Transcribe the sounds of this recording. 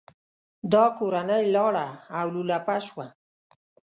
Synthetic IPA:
d̪ɑkoɾanəjlɑɽaːwlulapaʃwa

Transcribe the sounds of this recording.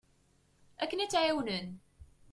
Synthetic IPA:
ækːənæt͡sːʕawnən

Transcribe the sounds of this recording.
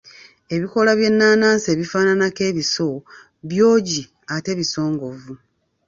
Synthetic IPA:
e̞βiko̞laβje̞nːaːnaːnse̞ːβifaːnanake̞ːβiso̞ | βjo̞ːɟi | ate̞βiso̞ːŋɡo̞vu

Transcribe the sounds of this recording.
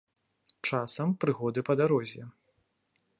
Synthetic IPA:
t͡ʂasɐmpɾɨɣɔd̪ɨpɐd̪aɾɔzʲjɛ

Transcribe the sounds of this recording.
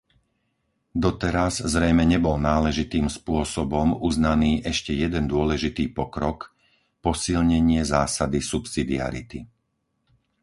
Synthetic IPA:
d̪ɔt̪ɛɾazzɾɛjmɛɲɛbɔlnaːlɛʒit̪iːmspʊɔsɔbɔmuznaniːʔɛʃcɛjɛd̪ɛnd̪ʊɔlɛʒit̪iːpɔkɾɔk | pɔsilɲɛɲɪɛzaːsad̪isupsid̪ia̰ɾḭt̪i

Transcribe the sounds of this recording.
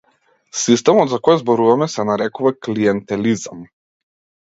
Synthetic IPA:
sist̪ɛmɔt̪zakɔjzbɔɾuvamɛsɛnaɾɛkuvakliɛnt̪ɛlizam

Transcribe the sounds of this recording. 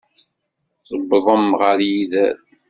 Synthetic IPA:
sˤəbːəðˤəmʁəɾjiðæɾ

